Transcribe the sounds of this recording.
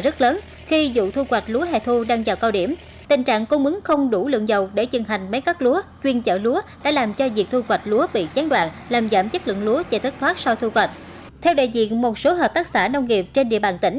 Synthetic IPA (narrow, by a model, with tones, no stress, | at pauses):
zə˦˥t̚ləː˨˦n | xi˧zṵ˧˨t̪ʰu˧kwa˨˩jt̟̚lu˨˦əɦɛ̰˧˨t̪ʰu˧ɗaː˧ŋzaː˨˩wkaː˧wɗi˧˩əm | t̪ï˨˩ŋt͡ɕa̰ː˧˨ŋko˧mɨ˨˦ŋxə˧wŋ͡mɗu˧˩lɨ̰˧˨əŋzə˨˩wɗe˧˩t͡ɕɨ˨˩ŋɦa˨˩jŋ̟mə˨˦jkaː˦˥k̚lu˨˦ət͡ɕwi˧ənt͡ɕə̰ː˧˩lu˨˦əɗa̰ː˧˥laː˨˩mt͡ɕɔ˧zi˨˩ək̚t̪ʰu˧kwa˨˩jt̚lu˨˦əɓḭ˧˨t͡ɕaː˨˦nɗwa̰ː˧˨nlaː˨˩mza̰ː˧˩mt͡ɕə˦˥t̚lɨ̰˧˨ŋlu˨˦ət͡ɕɛ˧˩t̪ɨ˦˥t̪ʰwaː˦˥t̚sa˧wt̪ʰu˧kwa˨˩jt̟̚ | t̪ʰɛ˧wɗa̰ː˧˨jzḭ˧˨ənmo˨˩t̚so˨˦ɦəː˨˩p̚t̪aː˦˥k̚saː˧˩nə˧wŋ͡mŋi˨˩əp̚t͡ɕe˧nɗḭ˧˨əɓaː˧˩nt̪ï˧˩ŋ̟